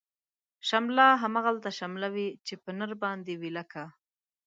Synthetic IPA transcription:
ʃamlɑɦamaɣalt̪aʃamlawit͡ʃepənəɾbɑnd̪ewilaka

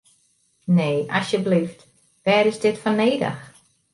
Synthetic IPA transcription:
neːʔɑsjəblift | ʋɛːɾɪzdɪtfɔneːdə̰x

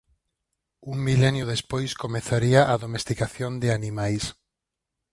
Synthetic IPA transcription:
uŋmilɛnjʊðespojskomeθaɾiaʔaðomest̪ikaθjond̪ɪanimajs

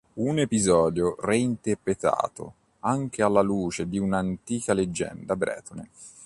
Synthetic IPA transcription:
unepizɔːd̪joreint̪erpɾet̪a̰ːt̪o̰ | aŋk̟ealːaluːt͡ʃed̪iunant̪iːkaled͡ʒːɛ̰nd̪abɾɛ̰ːt̪one

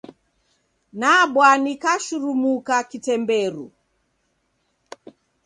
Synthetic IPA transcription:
naɓwanikaʃuɾumukakitɛmbɛɾṵ

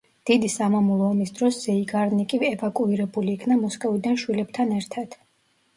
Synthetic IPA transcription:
d̪̥id̪isamamulˠɔːmisd̪ɾɔszɛiɡaɾnikʼiɛvakʼuiɾɛbuliːkʰnamɔskʼɔvid̪anʃwilɛb̥̚t̪ʰanɛɾt̪ʰad̪̥

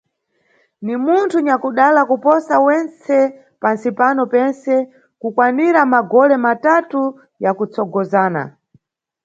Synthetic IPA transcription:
nimuntʰuɲakuɗalakupɔsawɛnt͡sɛ | pansipanɔpɛnsɛ | kukwaniɾamaɡɔlɛmatatu | jakut͡sɔɡɔzaːna̰

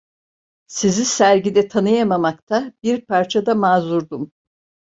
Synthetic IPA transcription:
sizisæɾɟid̪ɛt̪ʰanɯjamamakt̪ʰabiɾpʰaɾt͡ʃʰad̪amaːzuɾd̪um

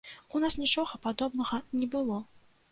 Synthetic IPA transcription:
unasnʲit͡ʂɔɣɐpad̪ɔbnɐɣɐnʲɛbɨlˠɔ

